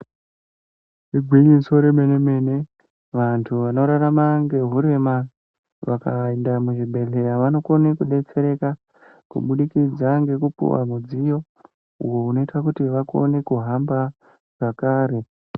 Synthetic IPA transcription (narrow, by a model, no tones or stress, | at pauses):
reɡʱwiɲiso̞ɾeme̞neme̞ne̞ | ʋantʰuʋano̞ɾaɾamaŋɡe̞ɦuɾe̞ma | ʋaka̰endamuʐibʱe̞ɮe̞jaʋano̞ko̞ne̞kuɗe̞t͡se̞ɾe̞ka | kṵɓuɗikid͡zaŋɡe̞kupṵwa̰mud͡zijo̞ | ṵwo̞uno̞itakutiʋako̞̰ne̞kuɦamba | ʐ̥akaːɾe̞